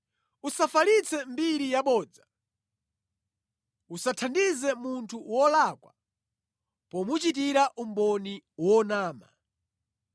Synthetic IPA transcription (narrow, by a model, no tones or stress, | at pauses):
usafalit͡sʰɛmbiɾijaɓɔːd͡za | usatʰandizɛmuntʰuwɔlakwa̰ | pɔmut͡ʃitiɾaʔumbɔniwɔnaːma̰